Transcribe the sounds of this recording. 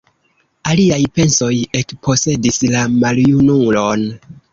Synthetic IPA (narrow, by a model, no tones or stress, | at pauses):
aliajpe̞nso̞je̞kpʰo̞se̞dislamaljunulo̞n